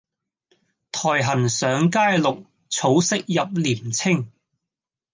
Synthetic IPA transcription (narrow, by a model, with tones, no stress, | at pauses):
t̪ʰɔː˨˩jɦɐ˨˩nsœː˨˥ŋkaː˥jlʊ˨k̚ | t͡sʰo˨˥wsɪ˥k̚jɐ˨p̚liː˨˩mt͡sʰɪ˥ŋ